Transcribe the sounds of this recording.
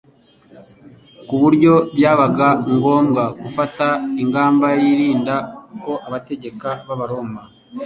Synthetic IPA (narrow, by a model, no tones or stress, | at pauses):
kuβuɾɟo̞bjaːβaɡaŋɡo̞ːmɡaɡufataiŋɡaːmbajiɾiːndako̞ʔaβate̞ɟe̞kaβaβaɾo̞ːmba